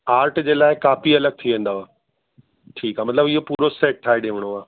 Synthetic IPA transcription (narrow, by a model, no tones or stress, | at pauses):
aːɾʈd͡ʑeːlaːɪkaːfiɐləɡ̚t̪ʰiʋẽːn̆d̪aoaː | ʈʰiːkaːmɐt̪ləbɪɦopuːɾoseːʈ̚ʈʰːaːeɗẽːʋəɽ̃oaː